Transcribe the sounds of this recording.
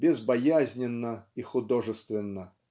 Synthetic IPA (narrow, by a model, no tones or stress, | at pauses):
bʲɪzbɐjazʲnʲɪnːəixʊd̪oʐɨst̪vʲɪnːə